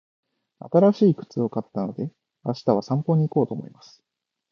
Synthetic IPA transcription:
a̰t̪aɾaɕiːkɯ̟̥t͡sɨo̞kat̪ːano̞d̪e̞ | aɕi̥t̪aβ̞asãmpo̞ɲ̟iko̞ːt̪o̞ːmo̞̰imasɨ̥

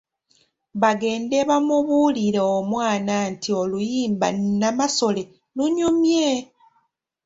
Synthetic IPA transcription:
βaɡe̞ːnde̞βamuβuliɾeomwaːnantʰio̞lujiːmba̰nnamaso̞le̞ | luɲumje

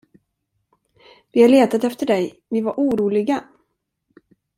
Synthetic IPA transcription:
vɪhaɭeːt̪at̪ɛft̪əɖɛj | vɪvaɾʔuːɾuːlɪɡa

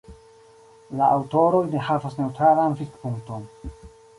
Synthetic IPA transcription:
laʔawto̞ɾo̞jnehavasne̞wtɾalanfikpuŋk̚ton

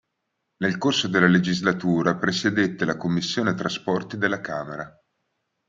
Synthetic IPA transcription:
nelkorsod̪elːaled͡ʒizlat̪uːɾapɾesed̪et̪ːelakomːisːjoːnet̪ɾaspɔrt̪id̪elːakaːmeɾa

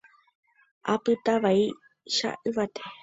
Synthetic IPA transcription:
apɨt̪aβai | ʃa̰ʔɨβat̪e̥

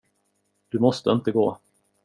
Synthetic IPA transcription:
d̪̥ɵmɔst̪əɪnt̪əɡoː

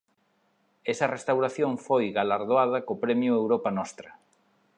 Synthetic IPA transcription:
ɛsɐrest̪awɾaθjõŋfojɣalaɾðoað̞ɐkopɾɛmjʊewɾɔpɐnɔst̪ɾɐ

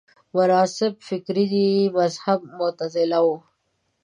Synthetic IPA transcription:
mʊɾɑːsɪb̚fɪkɾid̪imazhab̚mʊt̪azɪlawo

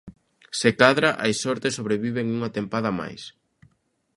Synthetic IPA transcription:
sekaðɾaʔajsɔɾt̪esoβɾeβiβeŋuŋat̪empað̞ɐma̰js

